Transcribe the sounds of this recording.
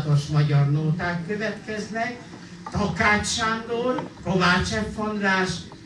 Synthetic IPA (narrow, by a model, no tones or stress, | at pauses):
t̪oʃmɒɟɒrnoːt̪aːkːøvɛt̪kɛznɛk | t̪ɒkaːt͡ʃʃand̪orkovaːt͡ʃɛɱfond̪laːʃ